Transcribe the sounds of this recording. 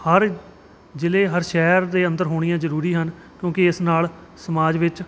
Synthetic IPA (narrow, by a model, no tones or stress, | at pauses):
həɾ | d͡ʒɪleːɦəɾʃɛːɾd̪eːə̃nd̪əɾɦoːɽ̃ijãːzəɾuːɾiːɦən | kjõːkɪɪsnaːlsəmaːd͡ʒʋɪt͡ʃ